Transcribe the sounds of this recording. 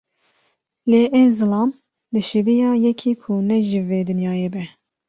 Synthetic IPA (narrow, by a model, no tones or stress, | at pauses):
leːʔɛzɨlɑːm | d̪ɨʃevijɑːjɛkʰiːkʰunɛʒiveːd̪ɨnjɑːjebɛ